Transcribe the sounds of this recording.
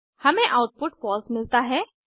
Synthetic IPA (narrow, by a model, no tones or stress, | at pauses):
hɐmẽʔawʈ̚pʊʈpɔlsmɪlt̪aɦɛ